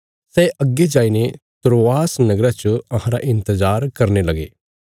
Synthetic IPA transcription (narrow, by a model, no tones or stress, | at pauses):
sɛʔɐɡːed͡ʒaːinet̪ɾoaːsnɐɡɾat͡ʃəɐɦãɾaʔɪ̃nt̪əzaːɾkɐɾnelɐɡḛː